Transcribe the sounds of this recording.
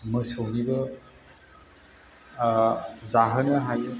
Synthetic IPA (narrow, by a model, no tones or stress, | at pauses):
mɯsownibɐ | zaɦənɐɦaj